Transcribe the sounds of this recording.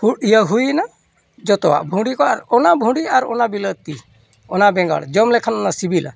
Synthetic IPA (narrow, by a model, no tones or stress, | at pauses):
puʈ̚ijəɦujna | d͡ʒɔt̪ɔwa̰ʔbʱũɖikɔaɾɔnabʱũɖiaɾɔ̰nabilət̪i | ɔnabɛ̃ŋɡa̰ɭd͡ʒɔmlɛkʰanɔnasibila̰